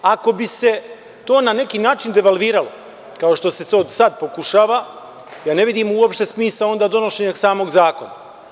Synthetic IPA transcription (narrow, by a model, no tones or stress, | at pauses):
ako̞bise̞ | t̪o̞ːnane̞kiːnaːt͡ʃind̪e̞ʋalʋiːɾalo̞̰ | kao̞ʃt̪o̞se̞sʋeod̪sad̪̚po̞kuʃaːʋa | jaːne̞ʋid̪iːmuopʃt̪e̞smiːsao̞nd̪aːd̪o̞noʃeɲaksaːmo̞ɡzaːko̞na̰